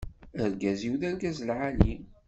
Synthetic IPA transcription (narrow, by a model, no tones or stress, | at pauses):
əɾɡæziwðæɾɡæzlʕali